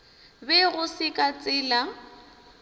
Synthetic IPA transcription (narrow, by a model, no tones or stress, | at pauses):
bɛɣʊsɪkʼat͡sʼɪːla